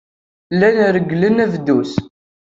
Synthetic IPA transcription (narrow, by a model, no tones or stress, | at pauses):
lːænɾəɡːlənævd̪us